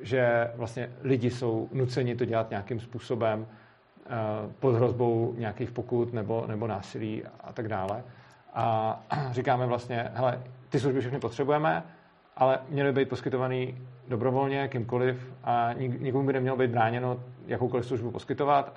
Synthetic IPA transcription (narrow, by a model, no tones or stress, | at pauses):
ʒɛvlast̪ɲɛlɪɟɪso̞wnut͡sɛɲɪt̪o̞ɟɛlat̪ɲakɪmspuːso̞bɛm | pod̪ɦɾo̞zbo̞wɲɛakiːxpokut̪nɛbo̞nɛbo̞naːsɪliːa̰t̪aɡdaːlɛ | ʔarɪkaːmɛvlast̪ɲɛɦɛlɛt̪ɪs̬luʒbɪfʃ̬ɛxnɪpo̞t̪r̝̥ɛbujɛmɛ | ʔalɛmɲɛlbɪbɛjt̪̚po̞skɪt̪ovaniːdo̞bɾo̞vo̞lɲɛkɪmko̞lɪfʔaɲɪɡɲɛkomubɪnɛmɲɛlobejd̪bɾaːɲɛnojakowkolɪfsluʒbupo̞skɪt̪o̞vat̪